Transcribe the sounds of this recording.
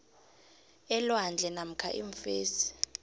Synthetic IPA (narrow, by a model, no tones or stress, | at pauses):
ɛlwand͡ɮʱɛnam̩kʰa̰ʔḭɱfeːsi̥